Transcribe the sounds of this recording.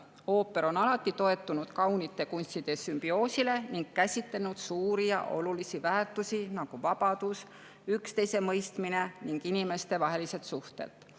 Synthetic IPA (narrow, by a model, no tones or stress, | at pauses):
o̞ːpːe̞ɾo̞nɑlɑt̪ːˑit̪o̞e̞t̪ːˑunud̪̥kɑwnit̪ːˑe̞kunsʲt̪id̪̥e̞symb̥io̞ːsile̞niŋɡ̥̚kæsʲit̪lenud̪̥suːɾijɑ̰ʔo̞̰lulisivæːrt̪ːˑusinɑɡ̥uvɑb̥ɑd̪̥us | ykst̪e̞jse̞mɤjst̪mine̞niŋɡ̥inime̞st̪e̞vɑɦe̞lise̞t̪suht̪e̞̰t̪